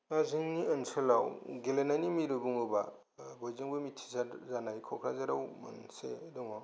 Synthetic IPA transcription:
aziŋniɯnsɯlawɡelenajnimiɾɯbuŋɯba̰ | bɔjzɯŋbɯmitʰi̥zazanajkʰɔkʰɾazaɾawmɯ̰nsedɔŋa

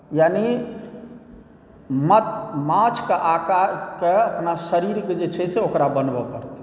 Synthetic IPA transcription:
jani | mət̪mat͡ʃʰkeʔakaɾkeəpnasəɾiɾked͡ʒet͡ʃʰɛsʰɛokɾabənbɔpəɾt̪

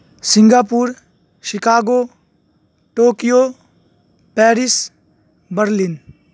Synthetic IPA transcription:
sĩŋɡaːpuɾ | ʃikaːɡo | ʈoːkijo | pɛːɾis | bəɾlin

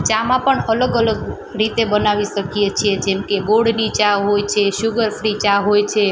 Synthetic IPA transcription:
t͡ʃamãpəɳələɡələɡ | ɾit̪ebənaʋiʃəkijet͡ʃʰied͡ʒemkeɡoɽnit͡ʃãɦojt͡ʃʰeʃuɡəɾfɾit͡ʃãɦojt͡ʃʰe

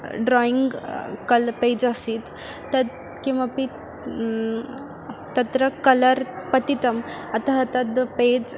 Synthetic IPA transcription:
ɖɾɔiŋɡkəlped͡zəsit̪ː | əd̪ | kĩʋapi | t̪ət̪ɾəkələɾpət̪it̪əmət̪aɦət̪əd̪ped͡z

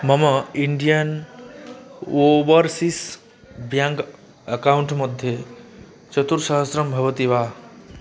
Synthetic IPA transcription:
mʌmʌiɳɖijən | obəɾsis | bjaŋk | əkauɳʈmʌd̪ʱje | t͡ʃʌt̪uɾsʌɦəsɾʌmbʱʌbʌt̪iβa

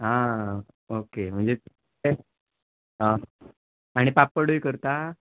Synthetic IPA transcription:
ɦa | okem̤əɳd͡ze | e | ə | aɽ̃ipapːəɽujkəɾt̪a

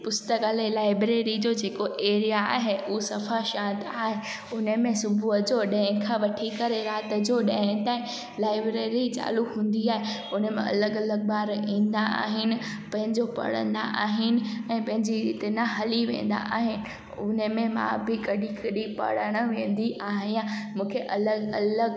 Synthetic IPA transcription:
pʊst̪əkaːlelaːɪbɾeːɾid͡ʑoːd͡ʑeːkoʔeːɾijaa̰ːɦeusɐfaʃãːnt̪aːɦe | ʊnəmẽsʊbʱuɦəd͡ʑoɗɐ̃ɦɪ̃kʰãːʋɐʈʰikɐɾeɾaːt̪ə̆d͡ʑoɗɐ̃ɦt̪aːĩ | laːɪbɾeːɾit͡ɕa̰ːluɦũːn̆d̪iaːɦeʊnəmḛ̃ɐ̰ləɡɐləɡ̚baːɾĩːnd̪aa̰ːɦɪnɪ̆ | pɐ̃ɦɪ̃ɲd͡ʑopɐ̰ɽ̤ə̰̃nd̪a̰ʔaːɦɪnɪ̆ɛ̃ːpɐ̃ɦɪ̃ɲd͡ʑiɾḭːt̪enɐɦɐliʋḛ̃ːn̆d̪a̰ʔaːɦɪnɪ̆ | ʊnəmẽmã̰bɪkɐɗikɐɗipɐ̰ɽəɽ̃əʋẽːn̆d̪iʔaːɦɪãmũːkʰeʔɐləɡɐləɡ

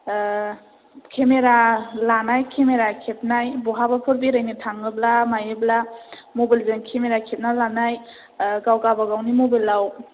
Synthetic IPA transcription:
kʰemeɾalanajkʰemeɾakʰep̚najbɔɦabapʰɯɾbiɾajnitʰaŋɯblamajɯblamobilzɯnkʰemeɾakʰep̚nalanaj | ɡawɡabaɡawnimobilːaw

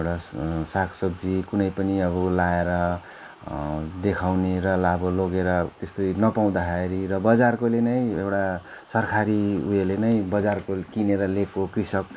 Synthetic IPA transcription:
ewʈasakʰsʌb̚d͡zikunʌjpʌniʌβʌlaeɾʌ | d̪ekʰawneɾʌlaboloɡeɾʌt̪est̪ojnʌpaw̃d̪aɦaeɾirʌbʌd͡zarkolenʌj̃ewʈa | sʌrkʰaɾiujelenʌj̃bʌd͡zarkokineɾʌlekokrisʌk̚

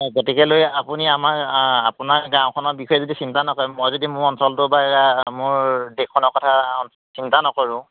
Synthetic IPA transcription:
ɡotikɛlojapuniamakapʊnaɹɡãw̃kʰɔnɔbikʰɔjɛzodisintanɔkɔɹɛmɔjzodimʊɹɔnsɔltʊbaɛɹamʊɹdekʰːɔnɔɹkɔtʰan | sintanɔkɔɹʊ̃

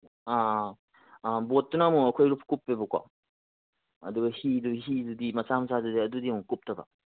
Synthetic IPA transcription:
a | botːunamuɐkʰojɾupʰkupːebɯkwa̰ | ɐ̰d̪uɡɐhiduɦidudimɐsamɐsadudiɐdudimukup̚tʰɐba̰

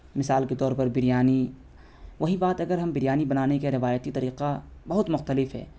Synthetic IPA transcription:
mɪsaːlket̪ɔːɾpɐɾbɪɾjaːni | ʋɐɦibaːt̪ɐɡəɾɦɐmbɪɾjaːnibɐnaːnekeɾɪʋaːjət̪it̪ɐɾiːqabɐɦʊt̪mʊxt̪əlɪfɦɛ̰ː

